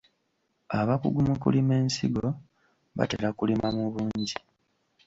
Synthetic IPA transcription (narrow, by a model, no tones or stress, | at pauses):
aβakuɡumukulime̞ːnsiɡo̞ | βa̰teɾakulimamuβuːɲɟi